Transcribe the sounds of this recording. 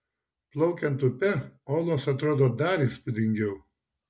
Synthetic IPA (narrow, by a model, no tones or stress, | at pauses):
plˠɐʊkʲɛnt̪ʊpʲɛoːlˠoːsɐt̪ɾoːd̪oːd̪ɑːɾʲispʊd̪ʲɪŋʲɡʲɛʊ